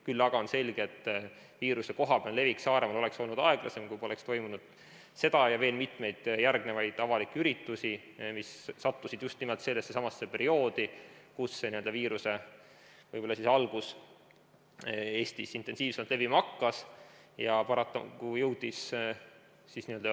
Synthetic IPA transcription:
kylːɑɡ̥ɑonse̞lɡ̥eet̪ˑː | viːɾuse̞ko̞ɦɑb̥eɑnle̞viksɑːɾe̞mɑlo̞le̞kso̞lnud̪ɑe̞ɡ̥lʔɑ̰se̞mkujpo̞le̞kst̪o̞jmunud̪̥ | se̞d̪̥ɑjɑve̞ːlmit̪me̞jd̪̥jærɡnevɑjd̪̥ɑvɑlikːyɾit̪ːusi | misːɑt̪ːusid̪̥just̪nimelt̪se̞lːesːesɑmɑsːe̞pe̞ɾio̞ːd̪̥ikusːeniø̞ld̪ɑviːɾuse̞ | vɤjbo̞lːɑsisɑlɡ̥us | e̞ːst̪isint̪ːˑe̞nsiːvsemt̪le̞vimɑkːɑs | jɑpɑɾɑt̪ːˑɑ̰kujɤwd̪̥is | sisniøld̪ɑ

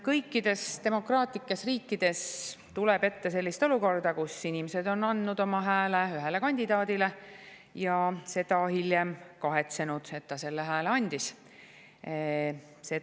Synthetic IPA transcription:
kɤjkːid̪̥e̞st̪e̞mo̞krɑːt̪likːˑesriːkːˑid̪̥e̞st̪uleb̥e̞t̪ːe̞se̞lʲːist̪o̞luko̞rd̪̥ɑkusinʲimese̞d̪o̞nɑnd̪nud̪o̞mɑɦæːleyɦelekɑnʲd̪̥id̪̥ɑːd̪ile̞ | jɑse̞d̪̥ɑhiljemkɑɦe̞t̪se̞nud̪̥e̞t̪ːɑse̞lːeɦæːleɑnʲd̪̥is | se̞

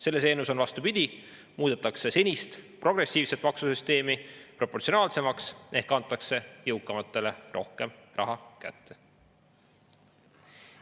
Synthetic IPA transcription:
se̞lːe̞s̬e̞ːnuso̞nvɑst̪upid̪̥ʲi | muːd̪et̪ːˑɑkse̞se̞nʲist̪pro̞ɡre̞sʲːiːvset̪mɑksusyst̪e̞ːmipro̞pːortsio̞nɑːlse̞mɑksʔe̞hkːɑnt̪ːˑɑkse̞jɤwkːˑɑmɑt̪ːˑe̞le̞rʔo̞̰hke̞mrɑ̰ɦɑkæ̰t̪ːe̞̥

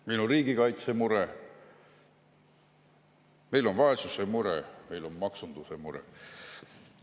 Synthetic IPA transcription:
minoriːɡ̥ikɑjt̪semuɾe | me̞jlo̞nvɑesusemuɾeme̞jlo̞nmɑksund̪̥usemuɾḛ

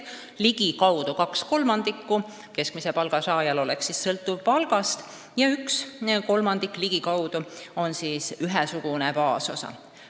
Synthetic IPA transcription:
liɡ̥ikɑwd̪̥ukɑksko̞lmɑnd̪̥ikːu | ke̞skmisepɑlɡ̥ɑsɑːjɑlo̞leksːissɤlt̪ːˑuvpɑlɡ̥ɑst̪ | jɑyksko̞lmɑnd̪̥ikˑliɡ̥ikɑwd̪̥uo̞nsiːsyɦɛsuɡ̥unepɑːso̞̰sɑ̰

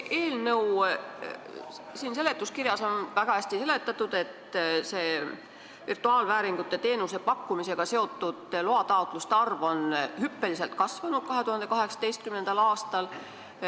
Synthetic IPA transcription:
ʔe̞ːlnɤw | siːnse̞le̞t̪ːˑuskirjɑso̞nvæɡ̥ɑæsʲt̪ise̞le̞t̪ːˑɑt̪ːˑud̪̥e̞t̪se̞ː | virt̪ˑuɑːlvæːɾiŋɡ̥ut̪ːˑe̞t̪e̞ːnuse̞pɑkːumise̞ɡ̥ɑse̞o̞t̪ːˑud̪̥loɑt̪ɑot̪ˑlust̪eɑrvo̞nhypːe̞lise̞lt̪̚kɑsvɑnud̪̥̚kɑɦe̞t̪uhɑnd̪ekɑɦe̞ksɑ̥t̪e̞jst̪kymnend̪̥ɑlɑːst̪ɑl

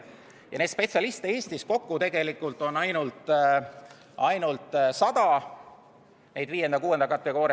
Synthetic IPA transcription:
jɑne̞ːt̪spe̞t̪siɑlist̪ee̞ːst̪isko̞kːut̪e̞ɡ̥e̞likːˑult̪ˑo̞nːɑjnult̪ | ɑjnult̪ːˑsɑd̪̥ɑ | ne̞jd̪viːje̞nd̪ɑkuːe̞nd̪ɑkɑt̪veko̞ːɾe

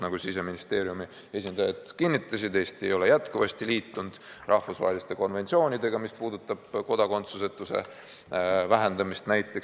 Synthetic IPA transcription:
nɑɡ̥usise̞minist̪e̞ːɾiumi | e̞sʲind̪̥ɑjɑd̪̥kinːit̪ˑːɑsid̪̥e̞ːst̪ejo̞le̞jæt̪kuvɑst̪iliːt̪ːˑund̪̥ | rʔɑhfusvɑ̰ːɦelist̪e̞ko̞nve̞t̪sio̞ːnʲid̪e̞ɡ̥ɑmispuːd̪ut̪ːˑɑb̥ko̞d̪̥ɑko̞nt̪suse̞t̪ːˑuse̞̰ | væɦe̞nd̪̥ɑmist̪næjt̪ːˑe̞k

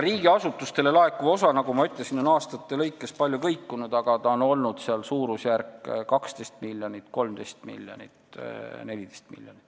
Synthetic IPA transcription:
riːɡ̥iɑsut̪ːˑust̪e̞le̞lɑe̞kːuo̞sɑnɑɡumɑyt̪ˑle̞sino̞nɑːst̪ɑt̪ːe̞lɤjkˑːe̞spɑlʲjukɤjkːunud̪̥ɑɡ̥ɑt̪ɑo̞no̞lnud̪̥seɑlsuːɾusjærkːkɑkst̪e̞jst̪milːjonʲit̪ko̞lmd̪e̞jst̪mḭlʲjonḭt̪ne̞lʲid̪̥ejst̪mḭlʲjonit̪ː

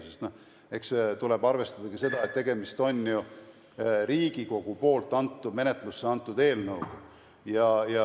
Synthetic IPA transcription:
sest̪no | e̞kst̪ulebɑrve̞st̪ɑd̪̥ɑkise̞d̪ɑet̪ːe̞ɡ̥e̞mist̪o̞nʲju | ɾiːɡ̥iko̞ɡ̥upo̞ːlt̪ːˑɑnt̪ˑːudme̞net̪ˑlusːeɑnt̪ːˑud̪e̞ːlnɤwɡ̥ɑ | jɑjɑ

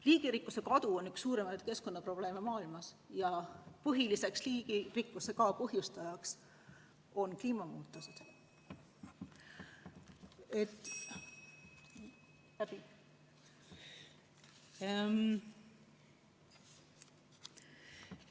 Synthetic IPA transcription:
liːɡ̥iɾikːˑuse̞kɑd̪̥uo̞nːyksːuːɾemɑjd̪̥ke̞sko̞nːɑpro̞b̥le̞ːmemɑːilmɑs | jɑpɤɦilise̞ksliːɡ̥irikːˑuse̞kɑpɤɦjust̪ɑjɑks | o̞nkliːmɑmuːt̪ːˑosed̪̥ | et̪ːˑ | læb̥i

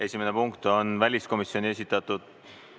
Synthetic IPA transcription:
esʲimenepuŋkt̪o̞nvælʲisko̞misio̞nʲie̞s̬ʲit̪ːˑɑt̪ːˑud̪̥

